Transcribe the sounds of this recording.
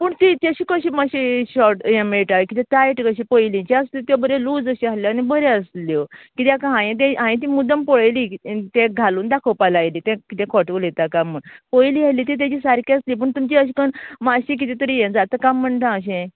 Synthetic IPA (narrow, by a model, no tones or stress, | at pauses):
puːɳt̪it̪jeɕiːkəɕiːmaɕiɕɔɾʈjemeʈaʋekit̪ɛ̃t̪ajʈkəɕipəjlĩt͡ɕɛəslet̪jɔbəɾeluːd͡zəɕialjeanibəɾeəslɔkit̪jakaɦãjẽt̪̬ɛ̃ɦãjĩt̪̬iːmud̪əmpɔɭəjlit̪ẽɡʱaluːnd̪akʰowpalajlit̪ɛ̃kit̪ɛ̃kʰɔʈklet̪akamːəɳpəjliːaliːt̪̬et̪̬jat͡ɕiːsaɾkeəslipəɳt̪umt͡ɕiəɕ̬ikənmaɕĩk̬it̪ɛt̪əɾijẽd͡zat̪əkamːəɳʈ̪ãəɕ̬ẽ